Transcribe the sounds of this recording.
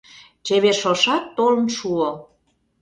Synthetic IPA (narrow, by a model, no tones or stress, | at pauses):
t͡ɕeβerʃoʃɑt̪ːolə̆nʃuo